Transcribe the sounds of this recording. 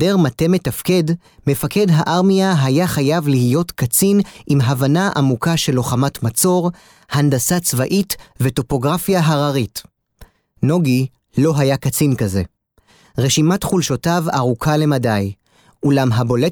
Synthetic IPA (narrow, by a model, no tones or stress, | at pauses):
deʁmate̞me̞tafke̞d | me̞fake̞dɦaʔaʁmiaɦajaχajavlihijo̞tkat͡sinʔimɦavanaʔa̰mukaʃe̞lo̞χamatmat͡so̞ʁ | handasat͡svaʔitve̞to̞po̞ɡʁafjaɦaʁaʁit | no̞ɡi | lo̞ɦajakat͡sinkaze̞̰ | ʁe̞ʃimatχulʃo̞tavaʁukʰale̞madaj | ulamɦabo̞le